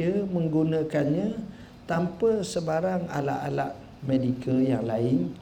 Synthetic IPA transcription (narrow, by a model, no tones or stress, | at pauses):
əmə̃ŋɡunãkanɲã | t̪ampəsəbaɾaŋa̰la̰ʔala̰ʔ | mẽdikəljaŋlaɪn